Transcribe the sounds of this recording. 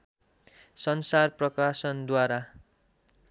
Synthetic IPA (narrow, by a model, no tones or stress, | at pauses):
sʌnsarprʌkasʌnd̪waɾa